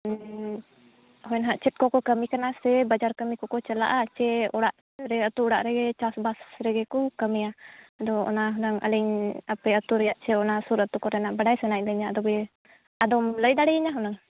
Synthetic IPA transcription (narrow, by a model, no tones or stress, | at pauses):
hɔjɛnɦaʔt͡ʃɛt̪̚kɔkɔkəmikanasɛbad͡ʒaɾkəmikɔkɔt͡ʃəla̰ʔat͡ʃɛɔɽaʔ | ɾɛət̪uɔɽa̰ʔɾɛɡɛt͡ʃasbasɾɛɡɛkɔkəmiaad̪ɔɔ̰naɦɔnaŋa̰lɛɲapɛət̪uɾɛjaʔt͡ʃɛɔnasuɾət̪ukɔɾɛnaʔbaɖajsanaʔ̚ləɲaad̪ɔbɛ | ad̪ɔmləjd̪aɽɛəɲaɦɔnaŋ